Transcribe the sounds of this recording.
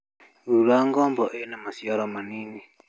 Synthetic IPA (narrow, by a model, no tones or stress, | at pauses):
ɾuɾaŋɡɔmbɔʔɛnamasiɔɾɔmaniːni